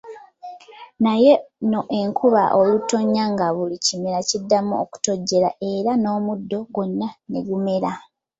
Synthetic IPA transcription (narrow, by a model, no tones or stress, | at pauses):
naje̞no̞ʔe̞ŋkʰuβa̰ʔoluto̞ɲːaŋɡaβulicimeɾacidːamuoku̥to̞ɟːe̞ɾa̰ʔe̞ːɾano̞ːmudːo̞ɡwo̞nːane̞̰ɡume̞ɾa